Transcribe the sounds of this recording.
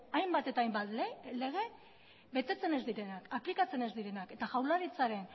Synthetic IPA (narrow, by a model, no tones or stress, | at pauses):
ajmbat̪e̞t̪aːjmbat̪lle̞ɣ̞e̞ | be̞t̪e̞t͡se̞ne̞zd̪iɾe̞nakaplikat͡se̞ne̞zd̪iɾe̞nake̞t̪aʝawlaɾit͡saɾe̞n